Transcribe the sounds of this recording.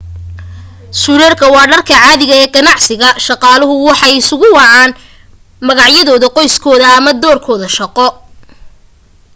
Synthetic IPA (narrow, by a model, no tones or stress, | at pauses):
sʊɾɛːrkʰɐwɑːɖɐrkʰɐʕɑːðɪɣɐɛːɡɐnɑʕsɪɣɐʃɑqɑːlɐɦʊwɑħɑjɪsʊɣʊwɑʕɑːn | mɐɣɑʕjɐðɔːðɐqɔjskʰɔːðɐːmɐd̪ɔːrkʰɔːðɐʃɑqɔ